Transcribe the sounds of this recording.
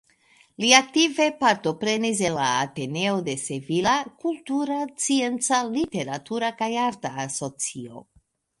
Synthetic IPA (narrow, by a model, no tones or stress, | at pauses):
liak̚tive̞paɾto̞pɾe̞nis̬elaːte̞ne̞o̞de̞sevilakultuɾat͡sie̞nt͡salite̞ɾatuɾakajaɾtaːso̞t͡sio̞̰